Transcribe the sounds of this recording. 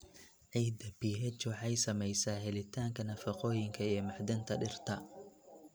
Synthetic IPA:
ʕiːd̪ɐbiːɦɛt͡ʃɔħɛjsɐmɛjsaːhɛlɪt̪ʰaːŋkʰɐnɐfɐqɔːjɪŋkʰɐijɔmɑħd̪ɐnt̪ʰɐɖɪrt̪ʰɐ

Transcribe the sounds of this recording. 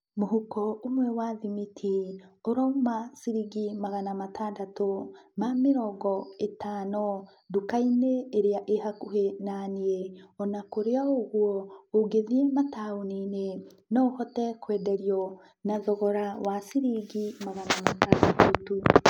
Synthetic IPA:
moɦukɔumwɛwaðimitʰioɾoumasiɾiɡimaɣanamatʰaːndatomamiɾɔɡɔetaːno | dukaineːɾeaʔehakuhenanieɔnakoɾeaoɣwɔoɡeðiemataonine | noohɔtɛkwɛːdeɾjɔ | naðɔɣɔɾawasiɾiɡimaɣanamataːndatutu

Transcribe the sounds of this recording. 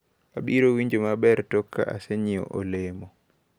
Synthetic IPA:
ʔaɓiɾɔwiɲd͡ʒɔmaɓɛɾtɔkːa̰a̰seɲiɔ̰ʔɔlɛmɔ

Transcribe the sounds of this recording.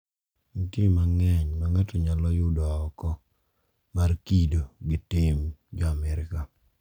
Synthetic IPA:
ŋitɪmaŋɛɲmaŋatɔɲalɔjʊdɔaɔkɔ | markidoɡɪtɪmd͡ʒɔamɛɾɪka

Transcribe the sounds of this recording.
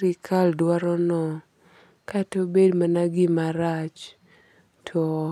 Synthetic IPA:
ɾikʰaldwaɾɔnɔ | katobedmanaɡɪmaɾat͡ʃ | tʰɔ

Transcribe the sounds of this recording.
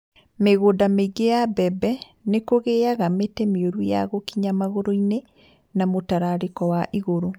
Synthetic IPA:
meɣoːdameiɡejabɛbɛ | nekoɣeaɣametɛmioɾujaɣokiɲamaɣoɾoine | namotaɾaɾekɔwaʔiɣoɾo

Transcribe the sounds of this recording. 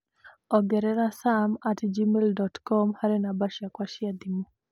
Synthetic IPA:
ɔɡɛɾɛɾasamatd͡ʒimeldɔtkɔmhaɾɛnabaʃjakwaʃiad̪imo

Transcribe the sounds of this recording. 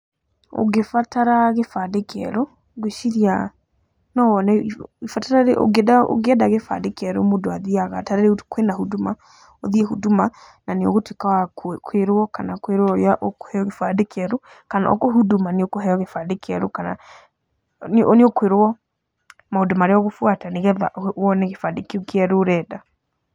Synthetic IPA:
o̰ɣefataɾaɣefadekʰɛ̰ɾɔ | ɣweʃiɾia | nɔwɔnaiifataɾaɾeʔo̰ɡdao̰ɣeɛdaɣefa̰dekɛɾo̰modoaðiaɣataɾeɾekwenahuduma | oðiehuduma | naneo̰ɣotekawakkʰweɾwɔkanakweɾwɔaʔoko̥hɛɔɣefadekeɛɾo | kana̰ɔ̰koɦudumaneokoɦɛɔɣefadekɛɾokana̰ | noneokweɾoɔ | maodomaɾeɔɣofwataneɣɛða̰ʔɔnɛɣefadekiokɛɾoːɾɛːda

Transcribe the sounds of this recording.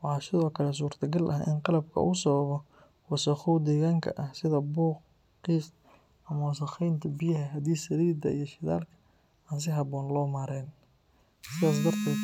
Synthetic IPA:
wɑħɑːsɪðɔːkʰɐlɛs̬uːrt̪ʰɐɡɐlʔɐʔɪ̰nqɑlɐb̚kʰɐ̰ʔuːsɐβɐβɔ | wɐsɐχʊwd̪ɛːɣaːŋkʰɐ̰ʔɐhsɪðɐbuːq | qiːs | ʔɐmɐws̬ɐχɛjnt̪ʰɐbɪjɐɦɐɦɐd̪iːsɐɾiːd̪ɐ̰ijɞʃɪða̰ːlkʰɐ̥ | aːns̬ɪɦɑβɔːnlɔːmaːɾɛːn | sɪðaːs̬d̪ɐrt̪ʰɛːd̪

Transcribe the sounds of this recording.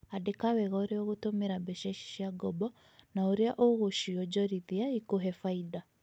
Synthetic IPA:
adekawɛɣɔɾeɔɣotomeɾabɛʃɛʃi̥ʃiaɡɔbɔ | naoɾeaʔoɣoʃiɔd͡ʒɔɾiðiaikoɦɛfaida

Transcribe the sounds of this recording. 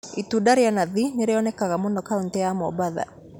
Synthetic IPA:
itudaɾeanaðineɾeɔnɛkaɣamondɔkauntɛjamɔ̰baða̰

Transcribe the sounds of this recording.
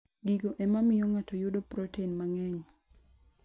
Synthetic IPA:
ɡiɡoʔɛmamɪjɔŋatɔjʊdopɾɔteinmaŋɛɲ

